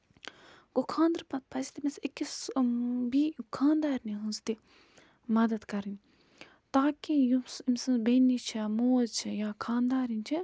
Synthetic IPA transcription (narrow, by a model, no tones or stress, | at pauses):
ɡ̥okʰãːnd̪ɾpɐt̪̚pʰɐzit̪imesikːis | bikʰaːnd̪aːɾniɦɨnst̪i | mɐd̪ɐd̪kɐɾinʲ | t̪aːkijusimsɨ̃nbenːit͡ʃʰimoːzt͡ʃʰijaːkʰaːnd̪aːɾinʲt͡ʃʰi